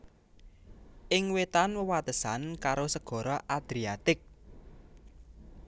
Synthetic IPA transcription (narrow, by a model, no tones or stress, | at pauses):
ʔɪŋwet̪anwəwat̪əsankaɾosəɡ̥ɔ̤ɾɔʔad̪̥ɾiat̪ɪk̚